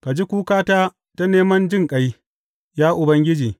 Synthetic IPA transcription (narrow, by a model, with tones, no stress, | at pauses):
ka˨d͡ʒi˦kʷuː˦kaː˦taː˦ | ta˦neː˦mɐ˦nd͡ʒɪ˦ŋkʼɐ˨j | jaː˦ʔʊ˨bɐ˦ŋɡʲɪ˦d͡ʒiː˨